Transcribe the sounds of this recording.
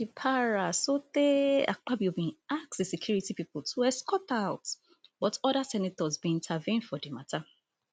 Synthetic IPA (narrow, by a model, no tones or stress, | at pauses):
ipʰaɹasotea̰k͡pabibĩnasksdesikʰjuɹitipipl̩tʰuwɛskɔtaʊt | bɔtɔdasɛnetɔzbĩĩntʰavĩndfɔdimatʰa